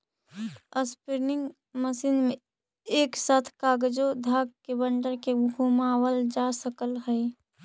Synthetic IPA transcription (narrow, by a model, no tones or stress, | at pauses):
əspɪɾnɪŋɡ | məsiːnmẽ | eːksaːt̪ʰkaːɡd͡ʒod̪ʱaːɡ̚kebəɳɖəɾkeɡʱumaːwəld͡ʒaːsəkəlɦəi